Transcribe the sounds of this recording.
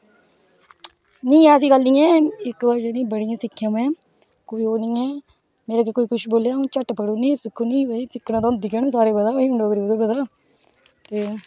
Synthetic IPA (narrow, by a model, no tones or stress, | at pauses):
nĩːɛ̃ːəs̬ĩːɡəlnĩːɛ̃ːɪkbaːʃed̪ĩːbəɽɪjãːsɪkʰːjãːmɛ̃ː | koːiːɦoːnĩːɛː | meːɾaːkeːkoːiːkʊʃboːljãːt͡ʃəʈːpəɽuːnĩːsɪkʰːuːnĩːiːsɪkːnaːt̪õːnd̪iːkɛːnõːsaːɾeːbəd̪aːoiːʊ̃ɳɖoːkəɾiːd̪oːbəd̪aː | t̪eː